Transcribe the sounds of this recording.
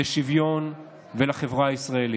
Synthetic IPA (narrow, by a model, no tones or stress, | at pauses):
eʃivjon | velaχevʁaːisʁaeli